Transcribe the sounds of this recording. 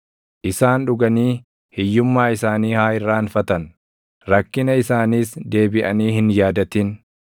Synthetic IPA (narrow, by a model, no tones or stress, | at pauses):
ʔɪsaːnᶑʊɡɐniː | hɪjːʊmːaːɪsaːniːhaːɪrːaːnfɐt̪ɐn | ɾɐkːɪnɐɪsaːniːsd̪e̞ːbɪʔɐniːhɪnjaːd̪ɐt̪ɪn